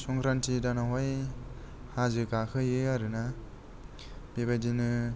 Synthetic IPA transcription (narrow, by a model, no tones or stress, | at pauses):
sɔŋkʰɾantʰidanaɦaj | hazɯkakʰɯjeaɾɯna | b̥ebajdinɯ